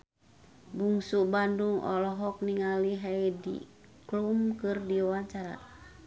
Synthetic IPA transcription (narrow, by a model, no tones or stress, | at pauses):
buŋsubanduŋɔ̰lɔɦɔk̚niŋaliɦajdḭ | klumkɨrdiwaɲt͡ʃaɾa̰